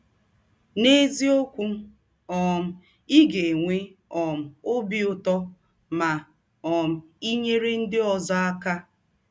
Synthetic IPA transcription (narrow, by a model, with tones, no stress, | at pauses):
ne˦zi˦o˦kʷu˦ | ɔ˨m̩˨ | i˦ɡe˨ŋʷe˦ɔ˨m̩˨o˦bi˦ʊ˨tɔ˦ | ma˨ | ɔ˨m̩˨i˦ɲe˦ɾe˦n̩˦dɪ˦ɔ˨za˦a˦ka˦